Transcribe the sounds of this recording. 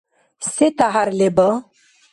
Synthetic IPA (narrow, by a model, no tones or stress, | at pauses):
set̪aɦaɾlebə